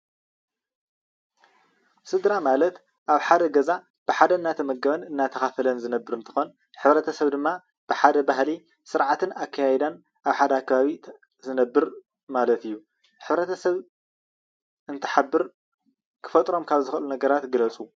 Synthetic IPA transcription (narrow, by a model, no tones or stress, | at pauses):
sɨd̪ɾamalɐt̪ | ʔaβħad̪ɐɡɐza | b̥ɨħad̪ɐɨnːat̪ʰɐmɐɡɐβɐnɨnːat̪ʰɐxafɐlɐnzɨnɐbːɨɾɨnt̪ʰɨ̥xon | ħɨβɾɐt̪ʰɐsɐβd̪ɨmːa | b̥ɨħad̪ɐbahli | sɨɾʕat̪ʰɨnakʰːajajɛd̪an | aβħad̪ɐakʰːɐβaβi | zɨnɐbːɨɾ | malɐt̪ɨjːu | ħɨβɾɐt̪ʰɐsɐβ | ɨnt̪ʰɨ̥ħabːɨɾ | kʰɨ̥fɐt̪ʼɾo̞mkʰaβzɨxlunɐɡɐɾat̪ɡɨlɐt͡sʼu